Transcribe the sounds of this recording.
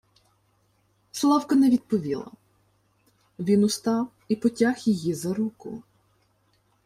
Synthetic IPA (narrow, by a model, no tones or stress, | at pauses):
slˠɑwkɐnɛʋʲid̪̚pɔʋʲilˠɐ̰ | ʋʲinʊst̪ɑw | ipɔtʲaxjijizɐɾukʊ̰